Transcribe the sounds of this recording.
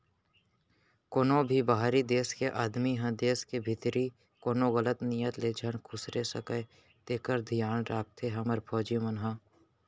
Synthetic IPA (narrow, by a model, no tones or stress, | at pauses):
koːnõbʱibaɦaɾid̪eːskeʔaːd̪miɦɐ̃d̪eːskebʱɪt̪ɾi | koːnõɣələt̪nijət̪leːd͡ʒʱənkʰʊsɾesəkə | t̪eːkəɾd̪ʱijaːnɾaːk̚t̪ʰeɦɐməɾpʰɔːd͡ʒjõmənɦã